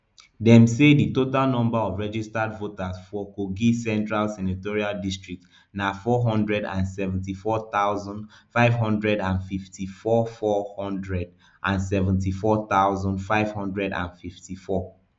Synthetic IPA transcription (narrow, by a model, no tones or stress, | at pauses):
dɛ̃mseditotalnɔ̃mbaɔvɹɛd͡ʒistadvotasfɔkoɡisɛ̃ntɹalsɛnatɔɹialdistɹik̚t | nafɔɦɔ̃ndɹɛdã̰nsɛvɛ̃ntifɔt̪aʊzɔ̃ndfaɪvɦɔ̃ndɹɛdãnfiftʰifɔfɔhɔ̃ndɹɛd | ʔãnsɛvɛ̃ntifɔt̪aʊzɔ̃ndfaɪv̥hɔ̃ndɹɛdã̰nfiftifɔ